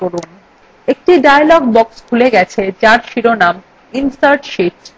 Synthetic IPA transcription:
oɾun | ek̚ʈiɖajalɔɡ̚bɔkskʰuleɡɛt͡ɕʰet͡ɕaɾʃiɾonam | insaɾʈʃiʈ

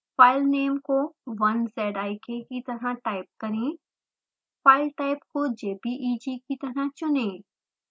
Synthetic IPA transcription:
faːɪlneːmkoʋɐnsɛːɖaːɪkʰekit̪ɐɾaʈaːɪp̚kɐɾẽː | faːɪlʈaːɪpkod͡ʒeːpiʔiːd͡ʒiːkit̪ɐɾɐɦt͡ʃʊnẽː

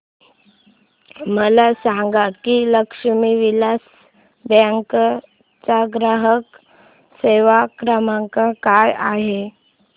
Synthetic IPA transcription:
məlasaŋɡakiləkʂəmiːʋilas | baŋk | t͡saɡɾaɦək | seʋakɾəmaŋkakajaɦe

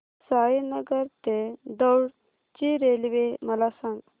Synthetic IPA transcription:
saːjinɐɡəɾt̪ed̪ɔwɽ | t͡ʃiɾeːliʋemɐlasaŋɡ

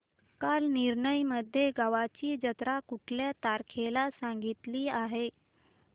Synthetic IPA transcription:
kalniɾɳəjməd̪ʱːjeɡaʋat͡ɕiːd͡ʑət̪ɾakuʈʰljat̪aɾkʰelasãŋɡit̪liːaɦe

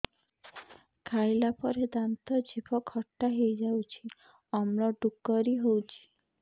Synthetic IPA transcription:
kʰailapɔɾed̪ant̪ɔd͡ʒibɔkʰhɔʈːaɦejd͡ʒawt͡ʃʰi | ɔmlɔɖukːɔɾiɦowt͡ʃʰi̥

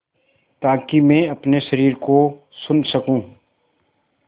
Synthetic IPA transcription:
t̪aːkimɛ̃ːɐpneʃɐɾiːɾko | sʊnsɐkũː

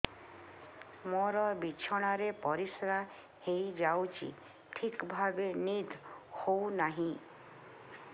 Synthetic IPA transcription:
moɾɔbit͡ʃʰɔɽ̃aɾepɔɾisɾa | hejd͡ʒawt͡ʃʰḭ | ʈʰikbʱabenid̪ʱhownaɦĩ

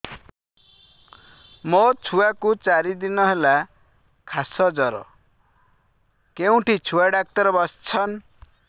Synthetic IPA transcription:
mɔt͡sʰuwakut͡saɾid̪inɔɦela | kʰasɔd͡zɔɾɔ̰ | keũʈʰit͡sʰuwaɖak̚t̪ɔɾɔbɔst͡sʰʌn

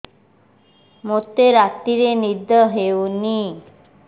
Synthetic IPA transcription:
mot̪eɾat̪iɾenid̪ʱɔɦewni

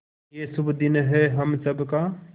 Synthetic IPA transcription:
jesʊbd̪ɪnɦɛɦəmsəbka

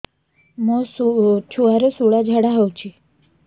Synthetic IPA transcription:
mosut͡ʃʰuaɾesuɭad͡ʒʱaɽaɦɔwt͡ʃʰi

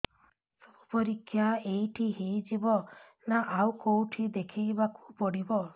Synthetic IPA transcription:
sɔbupɔɾikʰːjaejʈʰiɦejd͡ʒibɔ | naʔawkowʈʰid̪ekʰibaku̥pɔɽibɔ

